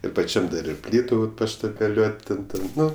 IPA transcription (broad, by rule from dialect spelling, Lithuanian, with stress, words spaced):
ɪr pɐˈt͡ʃʲɛm dɐr ɪr ˈpʲlʲiːtʊ pɐʃtɐbʲɛˈlʲuɔtʲ ˈtʲɛn ˈtʲɛn ˈnʊ